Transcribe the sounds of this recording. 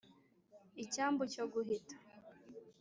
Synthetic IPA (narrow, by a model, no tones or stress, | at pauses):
icaːmbocoɡuɦitḁ